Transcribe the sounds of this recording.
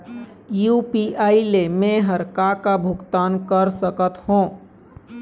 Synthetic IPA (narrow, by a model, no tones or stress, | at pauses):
juːpiʔaːilemẽɦəɾkakabʱʊɡt̪aːnkəɾsəkət̪hõː